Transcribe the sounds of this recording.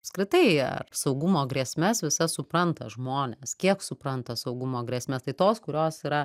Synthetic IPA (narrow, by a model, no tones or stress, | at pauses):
ɐpskɾʲɪt̪ɐɪɐ̰rsɐʊɡʊmoːɡɾʲiɛsʲmʲɛsʋʲɪsɐsʊpɾɐnt̪ɐʒmoːnʲeːskʲiɛksʊpɾɐnt̪ɐsɐʊɡʊmoːɡɾʲiɛsʲmʲeːst̪ɐɪt̪oːskʊɾʲoːsiːɾɐ